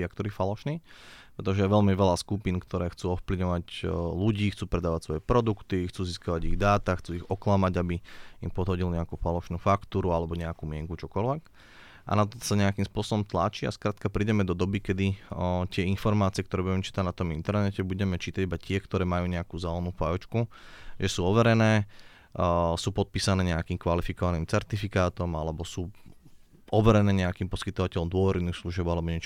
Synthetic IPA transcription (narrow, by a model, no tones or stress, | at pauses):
ak̚t̪ɔɾiːfalɔʃniːpɾɛt̪ɔʒɛjɛʋɛlmiʋɛlaskupinkt̪ʰɔɾɛːxt͡suːɔfpliʋɲɔʋacluɟiːxt͡suːpɾɛd̪aːʋacsʋɔjɛpɾɔd̪ukt̪ixt͡suːziskaʋaɟiɣd̪aːt̪axt͡suːiɣɔklamaɟabiimpɔd̪ɦɔɟilɲɛakuːfalɔʃnuːfakt̪uːɾualɛbɔɲɛakumɪɛŋkut͡ʃɔkɔlʋɛk | ʔa̰nat̪ɔsaɲɛakimspʊɔsɔbɔmt̪la̰ːt͡ʃia̰skɾaːt̪̚kapɾiɟɛmɛd̪ɔd̪ɔbikɛd̪it̪ɪɛinfɔɾmaːt͡siɪɛkt̪ɔɾɛːbuɟɛmɛt͡ʃiːt̪aɟnat̪ɔmint̪ɛɾnɛcɛbuɟɛmɛt͡ʃiːt̪aɟibat̪ɪɛkt̪ɔɾɛːmajuːɲɛakuzɛlɛnufajɔt͡ʃkuʒɛsuːɔʋɛɾɛnɛː | suːpɔt̪̚piːsanɛːɲɛakiːmkʋalifikɔʋaniːmt͡sɛɾt̪ifikaːt̪ɔmalɛbɔsuː | ɔʋɛɾɛnɛːɲɛakiːmpɔskit̪ɔʋacɛlɔmd̪ʊɔʋɛɾɛnixsluʒɪɛbalɛbɔɲɛt͡ʃ